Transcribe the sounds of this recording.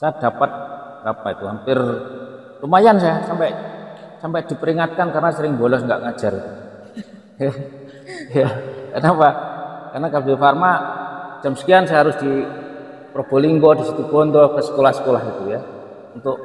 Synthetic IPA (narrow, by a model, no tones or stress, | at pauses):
sad̥̪apat̪̚ | apait̪uhampɪr | t̪umajansajahsampɛʔsampɛʔd̪̥i̤pəɾiŋat̪̚kankaɾənasəɾɪŋbɔlɔsŋɡa̰ʔŋḁd͡ʒ̥aɾḭt̪u | ja | jakarnapakarnakalbifarmḁd͡ʒ̥a̤msə̥kiansajɦaɾʊsd̥i | pɾob̥o̤liŋɡɔd̥isit̪ub̥ɔnd̪ɔkəsə̥kolahsə̥kolaɦit̪uja | unt̪ʊʔ